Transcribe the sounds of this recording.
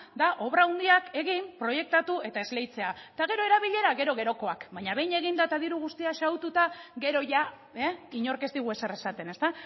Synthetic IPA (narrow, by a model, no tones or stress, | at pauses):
d̪aʔo̞βɾaund̪iake̞ɣimpɾo̞je̞k̚t̪at̪ue̞t̪ae̞zle̞jt͡se̞at̪aɣe̞ɾo̞eɾaβ̞iʎe̞ɾaɣe̞ɾo̞ɣ̞e̞ɾo̞ko̞akbaɲaβe̞jɲe̞ɣind̪aet̪aðiɾuɣ̞ust̪iaʃawt̪ut̪aɡe̞ɾo̞ʝa | eiɲo̞ɾke̞st̪iɣ̞ue̞seɾesat̪e̞ne̞st̪a